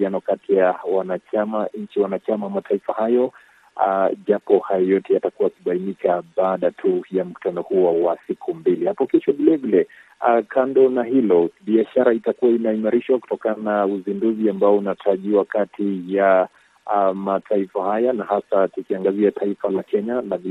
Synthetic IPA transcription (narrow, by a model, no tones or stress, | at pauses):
ianɔkatʰijawanat͡ʃamaɲ̩t͡ʃiwanat͡ʃamamatʰaifahajɔ | ʄapɔhajɔjɔtɛjatakuwakiɓainikʰaɓaːɗatʰujam̩ku̥tanɔhuɔwasikʰumbilihapɔkɛʃɔɓilɛvilɛ | akʰandɔnahilɔɓiaʃaɾaitakuwainaimaɾiʃwaku̥tɔkananauzinduziambaɔunatʰaʄiwakatʰija | matʰaifahajanahasatukiaŋɡaziatʰaifalakɛɲanavi